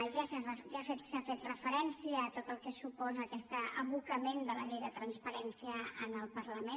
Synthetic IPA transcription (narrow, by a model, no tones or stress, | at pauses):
ʒasaʒafet̪safet̪rəfəɾɛnsiəːt̪ot̪əlˠkɛsupɔzəːkɛst̪əə̰βukəmend̪ələʎɛjðət̪ɾənspəɾɛnsiəənəlˠpərləme